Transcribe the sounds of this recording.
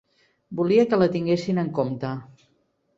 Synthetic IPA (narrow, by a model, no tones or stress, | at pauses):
buliəkələt̪iŋɡesinəŋkomt̪ə